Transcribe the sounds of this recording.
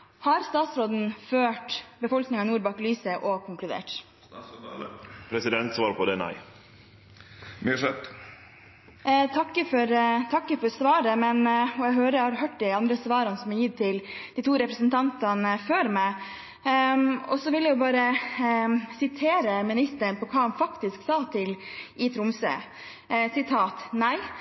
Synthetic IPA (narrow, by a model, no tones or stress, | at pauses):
hɑɾst̪ɑːt̪sɾoːd̪n̩føːʈbəfɔlknɪŋɑnuːɾbɑklyːsəʔɔkʰʊŋklʉd̪ḛːʈ | pʰɾɛsɪd̪ɛnt̪sʋɑːɾpʰɔd̪ɛnæ̰ɪ | mʂɛt̪ | t̪ʰɑkːəfɔɾt̪ʰɑkːəfɔɾsʋɑːɾəmɛnɔɛɡɦøːɾəhɑɾɦøːʈ̚d̪ɛɑnd̪ɾəsʋɑːɾɑnəsɔmɛjɪt̪ʰːɪld̪iːt̪ʰuːɾɛpɾəsənt̪ʰɑnt̪ɑnəføːɾmæ | ɔsɔʋɪljæjʊbɑːɾə | sɪt̪ʰeːɾəmɪnɪst̪ənpɔkʰɑːhɑnfɑkt̪ɪsksɑːt̪ʰɪlʔɪt̪ʰɾʊmsə̰ː | sɪt̪ʰɑːt̪næɪ